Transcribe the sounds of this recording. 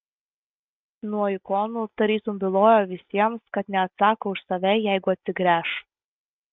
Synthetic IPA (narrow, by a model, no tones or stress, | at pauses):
nuɔɪkɔːnuːt̪ɐɾʲiːsʊmbʲɪlˠoːjoːʋʲɪsʲiɛmskɐt̪nʲɛɐt̪sɑːkoːʊʃsɐʋʲɛjæɪɡʊɐt̪ʲsʲɪɡɾʲæːʃ